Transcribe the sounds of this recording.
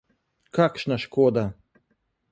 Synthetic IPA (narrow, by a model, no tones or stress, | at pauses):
kakʃnaʃkoːd̪a